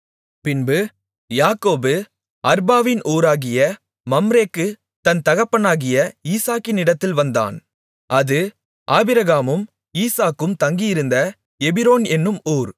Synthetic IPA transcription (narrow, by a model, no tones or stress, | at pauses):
pɪnbɯ | jaːkoːbɯ | ɐɾbaːʋɪnʔoːɾaːɣɪjɐ | mɐmɾeːkːɯ | t̪ɐnt̪ɐɣɐpːɐnaːɣɪjɐiːsaːkːɪnɪɽɐt̪ːɪlʋɐnd̪a̰ːn | ʔɐðɯ | ʔaːbɪɾɐɣaːmɯm | iːsaːkːɯmt̪ɐŋɡɪjɪɾɯnd̪ɐ | ɛbɪɾoːnɛnːɯmoːɾ